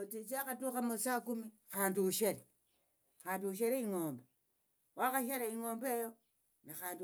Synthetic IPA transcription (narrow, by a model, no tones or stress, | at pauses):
otit͡ʃaxatuxamusakumi | xaːndiuʃeɾe | xaːnduuʃeɾeiŋoːmbe | waxaʃeɾeiŋoːmbejo | naxaːndi